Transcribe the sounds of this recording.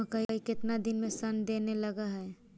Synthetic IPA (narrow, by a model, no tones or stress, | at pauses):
əkaikɪt̪nad̪ɪnmẽsɐnd̪eːnelɐɡaɦɛ